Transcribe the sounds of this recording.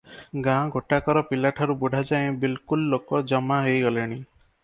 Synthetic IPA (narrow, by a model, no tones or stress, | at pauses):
ɡãɡʱoʈakɔɾɔpilaʈʰaɾubuɖʱad͡ʒaẽbilkulːokɔd͡ʒɔmaɦejɔleɽ̃i